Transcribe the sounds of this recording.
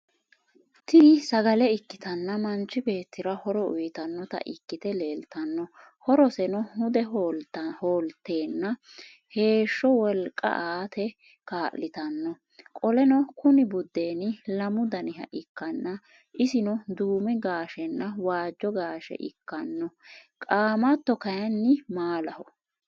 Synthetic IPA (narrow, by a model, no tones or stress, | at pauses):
t̪ɪsɐɡɐlɛɪkːɪ̥t̪ɐnːɐmɐnt͡ʃːɪbe̞ːt̪ːɪɾɐhɔɾɔʊ̰jt̪ɐnːɔt̪ɐ̰ʔɪkːɪt̪ɛle̞ːlt̪ɐnːɔ | hɔɾɔsɛnɔhʊd̪ɛ | hoːlt̪ːe̞ːnːɐ | he̞ːʃːɔwɔlkʼːɐ̰ʔaːt̪ʰɛ | kaːʔlːɪt̪ɐnːɔ | kʼɔlɛnɔkʰʊnɪbʊd̪ːe̞ːnɪlɐmʊd̪ɐnɪɦɐ̰ʔɪkːɐnːɐ | ʔɪsɪnɔd̪uːmɛɡaːʃɛnːɐwaːd͡ʒːɔɡaːʃɛ̰ʔɪkːɐnːɔ | kʼaːmɐt̪ːɔkɐjɐnːɪmaːlɐhɔ